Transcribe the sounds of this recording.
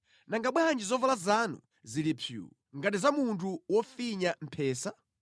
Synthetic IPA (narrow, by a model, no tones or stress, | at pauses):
naŋɡaɓwɛɦand͡ʒizɔvalazanṵ | zilipʰjṵ | ŋɡatizamuntʰuwɔfiɲam̩pʰɛːsa